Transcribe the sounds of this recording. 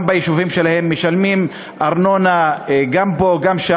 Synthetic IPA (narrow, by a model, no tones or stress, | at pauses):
mbajiʃuvimʃe̞lahe̞mːeʃalmim | ʔaʁno̞naɡambo̞ɡamʃa